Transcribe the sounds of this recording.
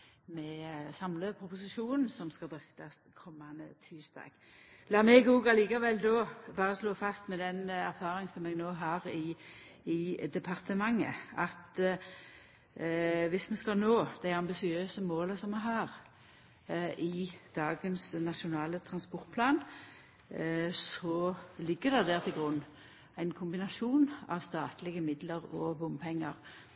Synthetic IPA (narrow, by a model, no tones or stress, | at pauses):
mɛsɑmləpʰʊpʊsɪʃuːnn̩sɔmskɑld̪ʁɪft̪ɑskʰɔmːɑnd̪ə̰t̪ʰyːsd̪ɑ̰ːɡ̥ | lɑːmɛɡuːɡɑliːkɑʋɛld̪oːbɑːʁəsloːfɑst̪mɛd̪ɛnæɾfɑːʁɪŋsɔmɛɡnoːɦɑʁɪ | ɪd̪ɛpʰɑʁt̪əmɑŋːə̰ɑt̪ | ʋɪsmɛskɑlnoːd̪̥æɪɑmbɪsɪøːsəmoːləsɔmɛɦɑːʁ | ʔɪd̪̥ɑːɡənsnɑʃʊnɑːlət̪ʰʁɑnspɔʁt̪̚pʰlɑːn | sɔlɪɡːəd̪ɛd̪æːʁt̪ʰɪlɡʁʉnː | æɪnkʰʊmbɪnɑʃuːnɑ̰ʋst̪ɑːt̪lɪɡəmɪd̪ləʁɔbʊmpʰɛŋːəʁ